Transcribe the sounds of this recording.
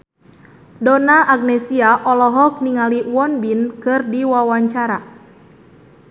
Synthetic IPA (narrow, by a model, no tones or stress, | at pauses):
dɔnaʔaɡ̚nɛsiaʔɔlɔɦɔk̚niŋaliwɔnbinkɨrdiwawaɲt͡ʃaɾa